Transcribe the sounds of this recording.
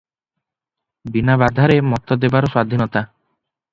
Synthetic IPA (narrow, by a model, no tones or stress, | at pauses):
binabad̪ʱaɾemɔt̪ɔd̪ebaɾɔswad̪ʱinɔt̪a